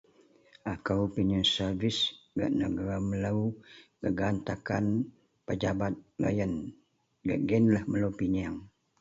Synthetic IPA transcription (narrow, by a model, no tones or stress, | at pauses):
akawpinənsərvisɡa̰ʔnəɡaɾamələwkəɡant̪akan | pəd͡ʒabat̪̚la̰jən | ɡə̰ʔɡɛnlahmələwpiɲaŋ